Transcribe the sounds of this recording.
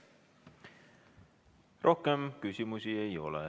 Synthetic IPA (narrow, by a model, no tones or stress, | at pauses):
rʔo̞hkemkysʲimusie̞jo̞̰lḛ